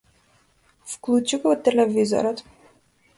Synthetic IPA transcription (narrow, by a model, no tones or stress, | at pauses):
fklˠut͡ʃuɡɔɔt̪ɛlɛvizɔ̰ɾɔt̪